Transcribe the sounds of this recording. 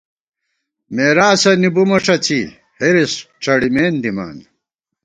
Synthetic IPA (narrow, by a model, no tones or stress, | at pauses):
meːɾaːsɐnibumɐʂɐt͡ɕi | heɾisʈ͡ʂɐɽimeːnd̪ima̰ːn